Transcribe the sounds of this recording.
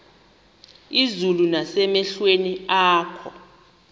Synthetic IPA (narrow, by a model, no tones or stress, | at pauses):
izulunasɛmɛɬweniaːkʰɔ